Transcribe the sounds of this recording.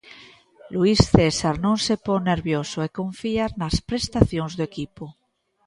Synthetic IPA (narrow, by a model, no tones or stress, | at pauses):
luisθesaɾnõnsepoŋneɾβjosoekõɱfiaɾnaspɾest̪aθjoŋzðoekipo